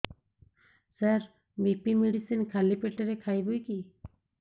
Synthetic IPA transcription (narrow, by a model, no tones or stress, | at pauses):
səɾ | mipimeɽisinkʰalipeʈeɾekʰajbujki